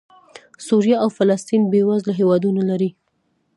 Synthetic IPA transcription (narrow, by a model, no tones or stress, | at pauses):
suɾijɑawfalast̪inbewazlaɦewɑd̪unalaɾi